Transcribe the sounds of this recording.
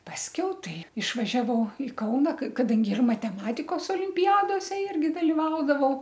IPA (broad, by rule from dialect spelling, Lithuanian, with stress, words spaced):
pɐsʲˈkʲɛʊ ˈtɐɪ ɪʃʋɐʒʲɛˈʋɐʊ ɪ ˈkɐʊnɐ k kɐˈdɐŋʲɡʲɪ ɪr mɐtʲɛˈmɑːtʲɪkoːs oːlʲɪmʲpʲɪˈjæːdoːsʲɛ ˈɪrʲɡʲɪ dɐlʲɪˈʋɐʊdɐʋɐʊ